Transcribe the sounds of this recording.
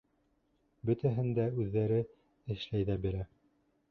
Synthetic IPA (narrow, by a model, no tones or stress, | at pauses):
bɵ̆t̪æɦɘ̆nd̪æʉðːæɾɘ | ɘ̆ʃlæjðæbiɾæ